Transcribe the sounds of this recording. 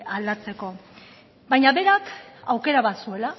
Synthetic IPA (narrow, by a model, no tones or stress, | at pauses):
ald̪at͡se̞ko̞ | bajɲaβe̞ɾakawke̞ɾaβasue̞la